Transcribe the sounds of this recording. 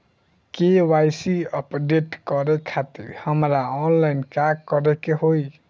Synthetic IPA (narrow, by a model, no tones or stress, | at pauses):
kewajsiəpɖeʈkɔɾɛkʰat̪ḭɾhəmɾaɔnlaɪnkaɡkːɔɾɛkeɦoj